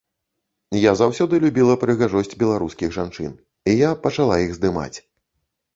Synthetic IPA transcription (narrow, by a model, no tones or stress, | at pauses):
jazawsʲɔd̪ɨlʲubʲilˠɐpɾɨɣaʐɔsʲt͡sʲbʲɛlˠaɾuskʲiɣʐant͡ʂɨ̰n | ijapɐt͡ʂalˠaiɣzd̪ɨma̰t͡sʲ